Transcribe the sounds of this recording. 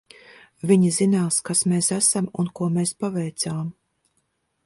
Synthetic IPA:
vʲiɲizinaːskasmeːsæsamunkuɔmeːspavɛjt̪saːm

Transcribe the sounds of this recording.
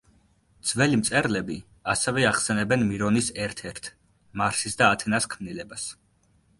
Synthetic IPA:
d̪z̥vɛlimt̪sʼɛɾlɛbi | asɛvɛaχsɛnɛbɛnmiɾɔnisɛɾt̪ʰɛɾt̪ʰ | maɾsisd̪aːt̪ʰɛnaskʰmnilɛbas

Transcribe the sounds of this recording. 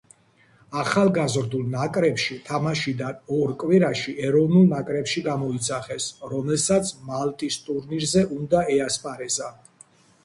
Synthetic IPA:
aχalˠɡazɾd̪ulˠnakʼɾɛpʃit̪ʰamaʃid̪anɔɾkʼwiɾaʃiʔɛɾɔvnulˠnakʼɾɛpʃiɡamɔit̪sʰaχɛsɾɔmɛlsat̪sʰmalt̪ʼist̪ʼuɾniɾzɛʔund̪aɛaspʼaɾɛza

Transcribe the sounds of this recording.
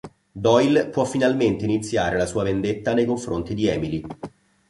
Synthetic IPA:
d̪ɔjlpwɔfːinalment̪einit̪sːjaːɾelasuːavend̪et̪ːanejkoɱfɾont̪id̪iɛːmili

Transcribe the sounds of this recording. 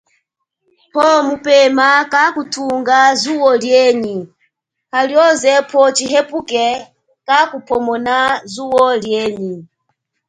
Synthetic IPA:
pʰɔmupɛmakakutʰuŋɡazuwɔljɛɲi | haljɔzɛpʰɔt͡ʃiɦɛpukɛ | kakupʰɔmɔnazuwɔljɛːɲi

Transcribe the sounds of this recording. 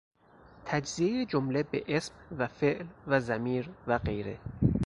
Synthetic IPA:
t̪ʰæd͡ʒziejed͡ʒomlebeʔesmvæfeʔlvæzæmiːɾvæɢe̞jɾḛ

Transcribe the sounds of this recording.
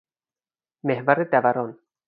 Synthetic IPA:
mehvæɾed̪ævæɾɒːn

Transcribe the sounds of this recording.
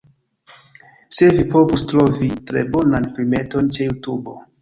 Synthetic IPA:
se̞vipo̞vustɾo̞vitɾe̞̰bo̞nanpɾime̞to̞nt͡ʃe̞jutubo̞̰

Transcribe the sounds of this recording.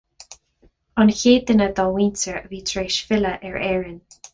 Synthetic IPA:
ɑnçeːd̪ənəd̪ɔːwiːntəɹəviːt̪ʰɹeːʃfɪləʔɛɹɛːɹɪn

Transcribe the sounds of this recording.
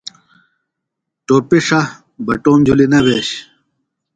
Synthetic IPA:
ʈoːpiʂɐ | bɐʈoːmd͡ʑʱulinɐbeːɕ

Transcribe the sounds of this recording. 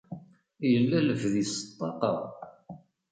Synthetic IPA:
jəlːæləvðisə̥t̪ˤːɑqɑ̰ʁ

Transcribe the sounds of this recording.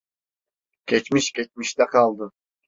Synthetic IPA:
kʲet͡ʃmiʃkʲe̞t͡ʃmiʃt̪ɛqʰɑlˠd̪ɯ

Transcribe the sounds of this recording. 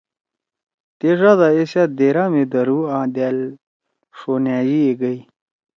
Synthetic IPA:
t̪eʐaːd̪aesaːt̪̚d̪eːɾaːmed̪əɾuːãːd̪aːl | ʂoːnjaːd͡ʑieɡəi

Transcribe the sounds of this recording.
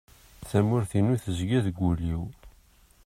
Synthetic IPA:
θæmʊɾθinuθəzɡæðɡʷːuliw

